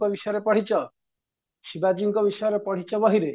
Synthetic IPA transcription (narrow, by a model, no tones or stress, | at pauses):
ɔbisɔjɔɾepɔɽ̤it͡ʃɔ | sibad͡ʒiŋkɔbisɔjɔɾepɔɽ̤it͡ʃɔbɔɦiɾe